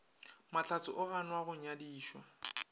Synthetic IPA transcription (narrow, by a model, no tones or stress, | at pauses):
mat͡ɬʰat͡sʼʊʔʊɣanwaɣʊɲadiːʃwa